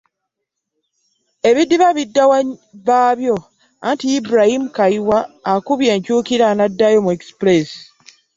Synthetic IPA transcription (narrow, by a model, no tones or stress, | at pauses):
e̞βidːiβaβidːawaβaːβjo̞ | antiibɾahimukaiwaːkuβje̞ːɲcuːkiɾanadːajomueksples